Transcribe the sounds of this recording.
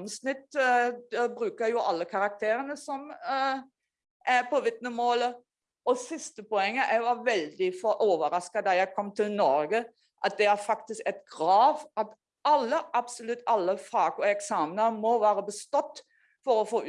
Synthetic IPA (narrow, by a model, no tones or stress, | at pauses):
msnɪt̪ːd̪ɛbɾʉːkəɾjʊʔɑlːəkʰɑɾɑk̚t̪ʰeːɾənəsɔm | ʔæpʰɔʋɪt̪nəmoːlə | ɔsɪst̪əpɔɛŋːəʔæɪʋɑɾʋɛld̪ɪfɔʔoːʋəɾɑskɑd̪ɑjæɪkʰɔmːt̪ʰɪlnɔɾɡə | ʔɑt̪̚d̪ɛæɾfɑkt̪ɪskɛt̪ɡɾɑːʋɑt̪ | ɑlːəʔɑbsɔlʉt̪ːɑlːəfɑːɡɔɛksɑːmənəmɔʋæːɾəbəst̪ɔt̪ː | fɔɾɔfoː